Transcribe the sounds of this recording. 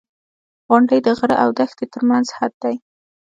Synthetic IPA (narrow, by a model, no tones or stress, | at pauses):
ɣʊɳɖəjd̪əɣəɾa̰ʔawd̪axt̪et̪əɾmanzhad̪̚d̪aj